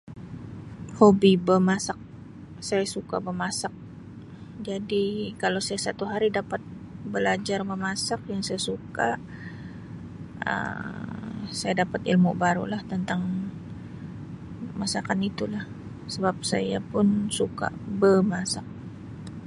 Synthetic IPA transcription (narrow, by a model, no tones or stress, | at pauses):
hobibəmasak̚ | sajasuka̰bərmasak̚ | d͡ʒadikalawsajasat̪uɦaɾidapat̪̚ | bəlad͡ʒarməmasak̚jaŋsajasuka | ə̰ | sajadapat̪ḭlmʊ̰ʔbaɾṵlaht̪ənt̪aŋ | masakanit̪ulah | səbap̚sa̰ja̰pʊnsuka̰bəmasak̚